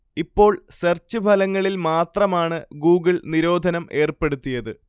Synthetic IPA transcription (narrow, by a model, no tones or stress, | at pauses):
ipːo̞ːɭsert͡ɕːɨbʱɐlɐŋːɐɭilmaːt̪rɐmaːɳɨɡuːɡɨɭniɾo̞ːd̪ʱɐnɐmʔe̞ːrpe̞ɽut̪ːijɐðɨ